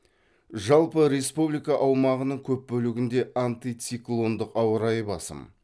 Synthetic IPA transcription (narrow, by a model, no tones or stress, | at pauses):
ʒɑlˠpəɾe̞spublijkɑʔɑwmɑʁənəɴkʲʰɵp̚bɵlɪɡʲɪnd̪e̞ʔant̪ijt̪siklˠo̞nd̪əqɑwəɾɑjəbɑsə̰m